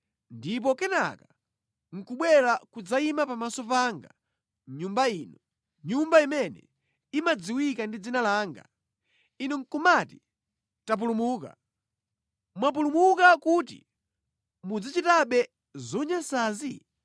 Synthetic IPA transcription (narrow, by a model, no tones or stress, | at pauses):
ndip̬ɔkɛna̰ka | ŋ̩kuɓwɛɾakud͡zaimapamasɔp̬aːŋɡa̰ | ɲumbaiːnɔ | ɲumbaimɛnɛ̰ | imad͡ziwikandid͡zinalaːŋɡa̰ | inuŋ̩kumati̥ | tap̬ulumuːka̰ | mwap̬ulumukakutḭ | mud͡zit͡ʃitaɓɛ | zɔɲasaːzi